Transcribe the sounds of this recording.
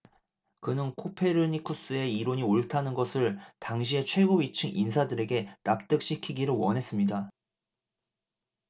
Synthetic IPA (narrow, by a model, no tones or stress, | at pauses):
kɯnɯnkʰopʰe̞ɾɯɲikʰus͈ɯe̞iɾoɲioɭtʰanɯnɡʌsʰɯɭtaŋɕʰie̞t͡ɕʰwe̞ɡoit͡ɕʰɯŋʔinsʰadɯɾe̞ɡe̞nap̚t͈ɯk̚ɕ͈ikʰiɡiɾɯɭwʌnɦe̞s͈ɯmɲida